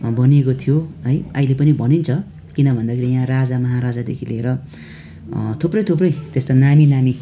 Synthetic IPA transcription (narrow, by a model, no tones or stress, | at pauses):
bʱʌniekot̪ʰijoʌjʌilepʌnibʱʌnint͡sʰʌ | kinʌbʱʌnd̪akʰeɾijãrad͡zamʌɦaɾad͡zad̪ḛkʰileeɾʌ | t̪ʰuprʌjt̪ʰup̬rʌjt̪est̪anaminami